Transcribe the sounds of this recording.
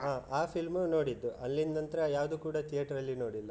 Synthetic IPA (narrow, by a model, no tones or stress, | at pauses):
ɦaːaːpʰilmuno̞ːɽid̪ːuʔɐlːind̪ɐnt̪ɐɾejaːʋd̪ukuːɽɐt̪ʰijɐʈɐɾɐlːino̞ːɽilːɐ